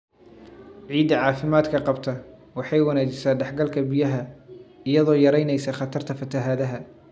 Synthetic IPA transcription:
ʕiːd̪ɐʕɑːfɪmaːd̪kʰɐqɑbt̪ʰɐwɑħɑjwɑnæːt͡ʃɪsaːɖɛħɡɐlkʰɐbɪjɐɦɐɪjɐðɔːjɐɾɛjnɛjsɐχɑt̪ʰɐrt̪ʰɐfɐt̪ʰɐɦaːðɐɦɐ

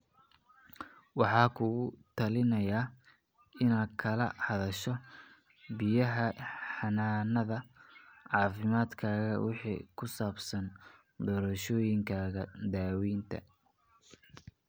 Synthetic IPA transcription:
wɑħɑːkʰʊɣʊt̪ʰɐlɪnɐjaː | ɪnaːd̪kʰɐlɐ̰hɐðɐʃɔ | bɪjɐɦɐħɑnaːnɐðɐʕɑːfɪmaːd̪kʰaːɣɐwɪħḭːkʰʊsaːbsɐn | d̪ɔːɾɐʃɔːjɪŋkʰaːɣɐd̪aːwiːnt̪ʰɐ̰

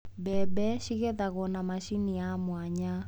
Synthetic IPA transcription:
bɛbɛʃiɣɛðaɣɔnamaʃinijamwaɲa

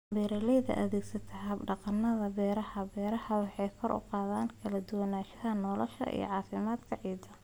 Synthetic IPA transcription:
bɛːɾɐlɛjðɐ̰ʔɐðɛːɡsɐt̪ʰɐɦhɐbɖɑqɑnːɐðɐbɛːɾɐhɐbɛːɾɐhɐwɑħɑjkʰɔɾʔʊ̰qɑːðaːnkʰɐlɐd̪ʊwɐnaːʃɐɦɐnɔːlɔ̰ʃɐ̰ʔḭj̰ʕɑːfɪmaːd̪kʰɐʕiːd̪ɐ

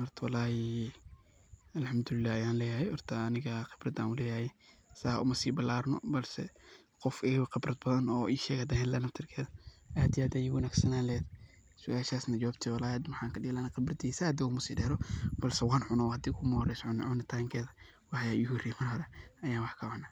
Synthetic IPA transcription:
hɔrt̪ʰwɑlaːhɛ | ɐlħɐmd̪ʊlɪlːaːhɐjaːnlɛːjahɛhɔrt̪ʰɐːnɪɣɐqɪ̥b̥rɐd̪ã̰ːnʊlɛːjajɛsa̰ʔʊmɐsiːbɐlaːɾnɔ̰bɐlsɛ̰ | qɔfɪɣwqɪbrɐd̪̚bɐðɐnɔːʔiːʃɛːɡɐd̪ɐhɛːnlɐːnɐft̪ʰɪrkʰɛːðɐʔaːd̪ijaːd̪ajɪwɐnaːɡsɐnaːlɛːd̪ | sʊʔaːʃaːsnɐd͡ʒɔabt̪ʰɛwɐlaːjɐd̪mħaːŋkʰɐɗɪɣlaːnɐqɑbrɐd̪isad̪ɛʊmɐsiːdɛːɾɔb̥ɐlsɛwɑːnʕʊnɔhɐd̪iːkʰʊmɐhɔrɛjsʕʊn̰ʕʊnɪt̪ʰaŋkʰɛːðɐ | wɑħjaʊhriːmɐrɦɔɾɛɐjaːnwɑħkʰɐʕʊna

